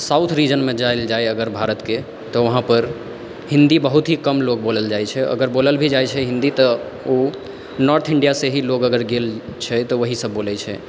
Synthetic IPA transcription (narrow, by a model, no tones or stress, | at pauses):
sawt̪ʰɾid͡ʒənmed͡ʒaeld͡ʒajəɡəɾbʱaɾət̪ke | t̪ɔʋəɦãpəɾ | ɦĩnd̪ibəɦut̪ɦikəmlok̚boləld͡ʒajt͡ʃʰɛə̰ɡəɾboləlbʱid͡ʒajt͡ʃʰɛɦĩnd̪it̪ɔ | o | nɔɾt̪ʰiɳɖijaseɦilokəɡəɾɡelt͡ʃʰɛt̪ɔʋəɦisəbːolɛt͡ʃʰɛ̰